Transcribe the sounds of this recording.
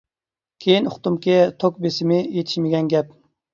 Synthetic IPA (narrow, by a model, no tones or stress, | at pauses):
kʲʰejinʊχt̪umkʲɪt̪ʰokbesɪmɪjet̪ʰɪ̥ʃmɪɡʲɛnɡʲɛp̚